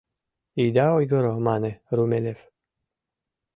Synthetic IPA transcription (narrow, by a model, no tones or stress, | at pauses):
id̪aojɡəɾɔmaneɾumelʲef